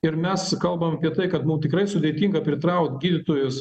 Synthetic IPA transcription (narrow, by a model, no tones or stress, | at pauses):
ɪɾmʲɛskɐlˠbɐmɐpʲiɛt̪ɐɪkɐt̪mʊmt̪ʲɪkɾɐɪsʊd̪ʲeɛt̪ʲiːŋɡɐpʲɾʲɪt̪ɾɐʊkt̪ɡʲiːd̪ʲɪt̪oːjʊs